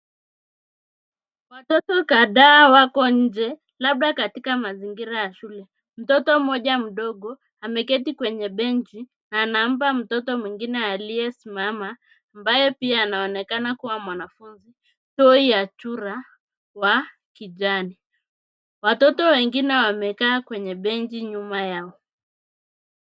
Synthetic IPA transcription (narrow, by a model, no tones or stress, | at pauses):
watɔtɔkaðaːwakɔɲ̩d͡ʒɛ | laɓ̚ɗakatikamaziŋɡiɾajaʃulɛ | m̩tɔtɔm̩mɔʄam̩ɗɔɠɔ | amɛkɛtikwɛɲɛɓɛnt͡ʃi | naːnam̩p̬am̩tɔtɔmwiŋɡinɛalijɛsimamaː | mbajɛpiaːnaɔnɛkanakuwamwanafunzi | tɔijat͡ʃuɾa | wa | kiʄani | watɔtɔwɛŋɡinɛwamɛkaːkwɛɲɛɓɛnd͡ʒiɲumajaɔ